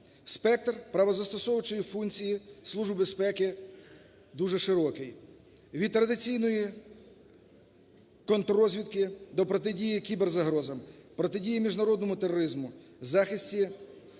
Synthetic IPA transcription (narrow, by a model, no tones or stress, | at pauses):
spɛk̚t̪rpɾɐʋɔzɐst̪ɔsɔwt͡ʃɔjifunt͡sʲijislˠuʒbbespɛkɪ | d̪uʒɛʃɪɾɔkɪj | ʋʲid̪̚t̪ɾɐd̪ɪt͡sʲijnɔji | kɔnt̪rɔzʲʋʲid̪kɪd̪ɔpɾɔt̪ɪdʲijikʲiberzɐɦɾɔzɐmpɾɔt̪ɪdʲijimʲiʒnɐɾɔd̪nɔmʊt̪ɛrɔɾɪzmʊzɑxɪsʲtʲi